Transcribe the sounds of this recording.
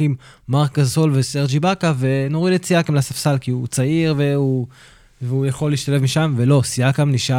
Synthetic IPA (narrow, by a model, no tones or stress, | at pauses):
im | maʁkɡazsolveseʁd͡ʒibakave̞noʁidet͡siakemlasafsalkiut͡saiʁveu | veujaχo̞lːiiʃt̪alevmiʃamve̞lo̞siakamniʃa